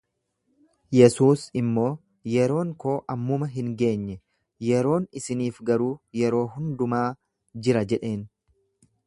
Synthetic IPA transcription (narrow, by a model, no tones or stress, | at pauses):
jɛsuːsɪmːo̞ː | jɛɾo̞ːŋko̞ːʔɐmːʊmɐɦɪŋɡe̞ːɲːɛ | jɛɾo̞ːnɪsɪniːfɡɐɾuːjɛɾo̞ːɦʊnd̪ʊmaː | d͡ʒɪɾɐd͡ʒɛᶑe̞ːn